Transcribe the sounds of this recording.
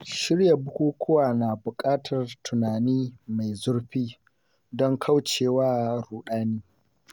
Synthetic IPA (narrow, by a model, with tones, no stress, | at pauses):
ʃɪ˦ɽja˨bʊ˦kʷuː˦kʷʰʊ˦waː˨naː˨bʊ˨kʼaː˦tʰɐ˨rtʰʊ˨naː˨niː˦ma˨jzʊ˦rɸiː˦ | dɔ˦ŋkʰa˦wt͡ʃeː˨waː˦ɾuː˨ɗaː˦niː˦